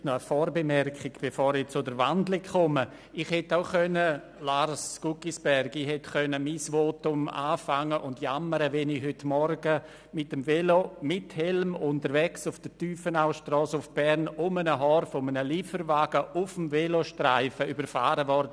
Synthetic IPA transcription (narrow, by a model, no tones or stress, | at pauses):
nɔəfɔːɾbemɛɾkχɪɡb̥efɔːɾɪt͡sʊdəɾvandlɪkʰɔmə | iχhɛtaʊxœnə | laɾskukisb̥ɛɾɡihɛtkœnəmisvoːtʊma̰ːfaŋːəʔʊntjaməɾəvɛnɪhʏtmɔɾɡə | mɪtəmvɛlomɪthɛlmʊntəɾvɛksʊfd̥ətyːfənaʊʃtrɔːsʊfb̥ɛɾnʊmənəɦɔːɾfɔmənəliːfəɾvaːɡ̥əʊfəmvɛloʃtraɪfəybəɾfaːɾəvɔɾd